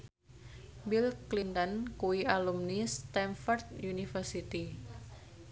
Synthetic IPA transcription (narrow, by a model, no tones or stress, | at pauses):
bilklint̪ənkuwiʔalumnist̪ɛmfɔrt̪̚junifərsit̪i